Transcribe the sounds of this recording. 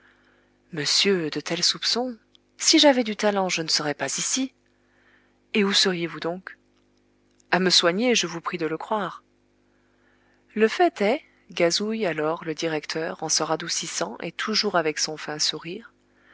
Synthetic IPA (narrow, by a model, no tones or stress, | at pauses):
məsjød̪ət̪ʰɛlsupsɔ̃ | siʒavɛd̪yt̪alɑ̃ʒənəsəʁɛpazisi | eusəʁjevud̪ɔ̃k | aməswaɲeʒəvupχid̪ələkχwaːʁ | ləfɛt̪ɛ | ɡazujalɔʁləd̪iʁɛkt̪ʰœʁɑ̃səʁad̪usisɑ̃ʔḛt̪ʰuʒuʁavɛksɔ̃fɛ̃suʁiːʁ